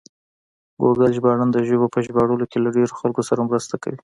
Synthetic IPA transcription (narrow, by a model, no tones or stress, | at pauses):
ɡoɡalʒbɑɽand̪əʒəβopəʒbɑɽəlokelaɖeɾoxalkosaɾamɾəst̪aka̰wi